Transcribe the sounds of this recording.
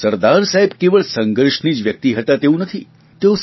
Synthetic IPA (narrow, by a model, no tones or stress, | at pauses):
səɾd̪aɾsaɦebkeʋəɭsəŋɡəɾʃnid͡ʒʋjək̚t̪iɦət̪at̪eũnət̪ʰi | t̪eõs